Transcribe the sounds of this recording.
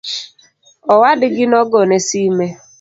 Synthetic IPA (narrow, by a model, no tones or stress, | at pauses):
ɔwadɪɡɪnɔɡɔnesime